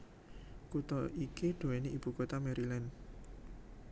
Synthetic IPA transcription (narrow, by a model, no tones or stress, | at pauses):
kut̪ɔʔikiɖ̪̥o̤weniʔib̥ṳkot̪amɛɾilan